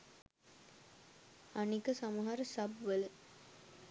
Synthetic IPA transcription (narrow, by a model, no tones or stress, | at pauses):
anikəsamɐɦaɾəsɐbʋələ